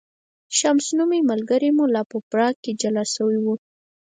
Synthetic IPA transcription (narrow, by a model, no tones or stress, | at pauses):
ʃamsnumemalɡəɾemulɑpəpɾɑɡ̚ked͡ʒalasəwiwu